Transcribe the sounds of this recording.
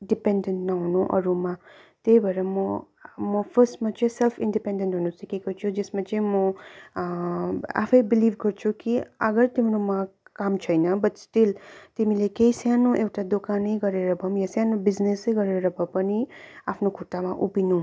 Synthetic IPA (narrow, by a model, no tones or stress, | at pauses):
ɖipenɖenʈnʌɦunuʔʌ̰ɾumãt̪ebʌɾemɔ | mɔpʰəsʈmat͡ʃĩselpʰinɖipẽɳɖenʈɦunusikekʌɾt͡ʃʰud͡ʒesmat͡ʃĩmɔ | a̰pʰejbiliʋkəɾt͡ʃʰukiəɡəɾt̪imiɾumãkamt͡ʃʰʌjnʌbʌʈsʈilt̪imilekejsjanuʔewʈad̪okanəjɡʌɾeɾʌbʱʌmjasjanubizneseɡʌɾeɾʌbʱʌpʌniapʰnukʰuʈːamãʔupinũ